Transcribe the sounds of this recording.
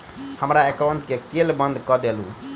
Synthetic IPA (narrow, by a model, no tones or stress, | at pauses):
həmɾaekauɳʈkekelbənd̪ʱkɔd̪elṵ̃